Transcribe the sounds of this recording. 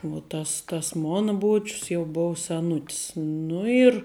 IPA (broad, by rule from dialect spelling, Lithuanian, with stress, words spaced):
ʋuɔ ˈtɐs tɐs ˈmoːnɐ ˈbuɔt͡ʃʲʊs jɛʊ ˈboːw sʲɛˈnʊtʲɪs ˈnʊ ɪr